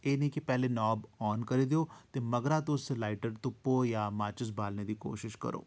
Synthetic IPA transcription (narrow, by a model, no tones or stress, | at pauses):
eːnɐɦikepɛɦlenɔːbɔːnkɐɾed̪eoːt̪emɐɡɾat̪oʊsːelaːɪʈəɖt̪ʊpːojamaːt͡ʃɪs̬baːlned̪iːko̰ːʃɪʃkɐ̰ɾo̰ː